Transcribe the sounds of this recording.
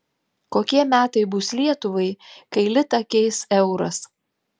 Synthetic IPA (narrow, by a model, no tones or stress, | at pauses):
koːkʲiɛmʲæːt̪ɐɪbʊslʲiɛt̪ʊʋɐɪkɐɪlʲɪt̪ɐkʲɛɪsɛʊɾɐs